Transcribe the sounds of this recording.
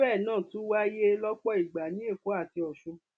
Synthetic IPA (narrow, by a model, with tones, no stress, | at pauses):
ɛː˦˨nãː˦˨tũ˨˦wa˦je˦lɔ˦k͡pɔ˦i˦˨ɡ͡ba˨nĩ˨˦e˦˨ko˨˦a˦˨ti˧ɔ˨ʃũ˧